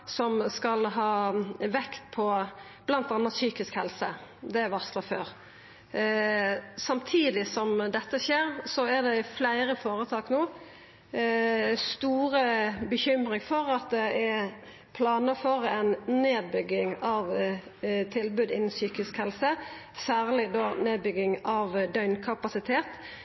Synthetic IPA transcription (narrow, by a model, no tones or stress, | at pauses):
sɔmskɑlɦɑːʋɛkt̪pʰɔ | b̥lɑnt̪ɑnːɑt̪syːkɪskhɛlsəd̪ɛæʋɑslɑføːʁ | sɑmt̪ʰiːd̪ɪsɔmd̪ɛt̪ːəʃeːɾsɔæd̪ɛɪflæɪɾəfoːɾət̪ʰɑːknoː | st̪uːɾəbəçʏmɾɪŋfɔɾɑt̪̚d̪ɛʔæ | pʰlɑːnəføːɾəɛɪnneːd̪̚bʏɡɪŋɑʋ | t̪ʰɪlbʉːd̪ɪnːən̩syːkɪskhɛlsə | sæːʁlɪd̪oːneːd̪̚bʏɡɪŋɑʋd̪œʏnkʰɑpɑsɪt̪ʰeːt̪